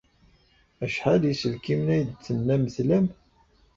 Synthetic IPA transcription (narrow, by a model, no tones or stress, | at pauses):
æʃħaljisəlkimnæjəd̪̚t͡sːənːæməθlæm